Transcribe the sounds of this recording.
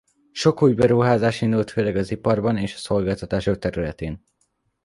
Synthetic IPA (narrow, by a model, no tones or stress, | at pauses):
ʃo̞kuːjbɛɾuɦaːzaːʃind̪ult̪føːlɛɡɒzipɒrbɒneːʃɒ̥so̞lɡaːlt̪ɒt̪aːʃo̞k̚t̪ɛɾylɛt̪eːn